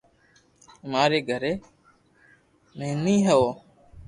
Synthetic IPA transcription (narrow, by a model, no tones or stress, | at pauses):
maːɾeːɡʱəɾeː | mẽːnĩːɦəoː